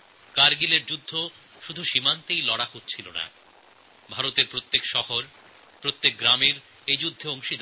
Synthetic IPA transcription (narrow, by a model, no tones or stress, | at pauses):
kaɾɡileɾd͡ʑud̪ʱːo | ʃud̪ʱuʃimant̪ejlɔɽahotːɕʰilona̰ | bʱaɾot̪eɾpɾot̪ːekʃɔhoɾ | pɾot̪ːek̚ɡɾamiɾ | ed͡ʑud̪ʱːooŋʃid̪